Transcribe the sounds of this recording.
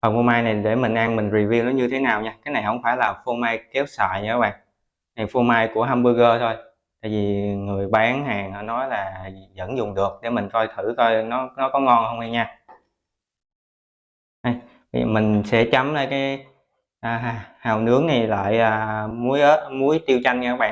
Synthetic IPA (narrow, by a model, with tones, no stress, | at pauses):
fə˨˩fu˧maː˧jna˨˩jɗe˧˩mi˨˩ŋ̟ʔaː˧nmï˨˩ŋ̟ɹi˨˩vi˧wɗɲɨ˧t̪ʰe˨˦naː˨˩wɲaː˧kaː˨˦jna˨˩jhə̰˧˥wŋ͡mfaː˧˩jlaː˨˩fu˧maː˧jke˦˥w̚sə̰ː˧˨jɲa˧˦ɓa̰ː˧˨˩ŋ | na˨˩fu˧maː˧jku˧˩əɦaː˧mɓə˧ɣəː˧t̪ʰo˧j | t̪a̰ː˧˨jvi˨˩ŋɨ˨˩əjɓaː˨˦ŋhaː˨˩ŋnɔ˧˩nɔ˨˦jlaː˨˩zə̰˧˥nzʊ˨˩ŋ͡mɗɨ˨˩ək̚ɗe˧˩mï˨˩ŋ̟kɔ˧jt̪ʰɨ˧˩kɔ˧jnɔ˨˦nɔ˨˦kɔ˨˦ŋɔ˧nhə˧wŋ͡ma˧ɲaː˧ | ʔa˧j | vḭ˧˨mï˨˩ŋ̟sɛ̰˧˥t͡ɕa˨˦mlaː˧˩jkaː˨˦j | ʔaː˨˩ɦa˧˩haː˨˩wnɨ˨˦˥əŋ̚na˨˩jla̰ː˧˨jʔəː˨˩mu˨˦əjʔə˦˥t̚mu˨˦əjt̪i˧wt͡ɕa˧jŋɲ˧kaː˨˦˥ɓa̰˧˨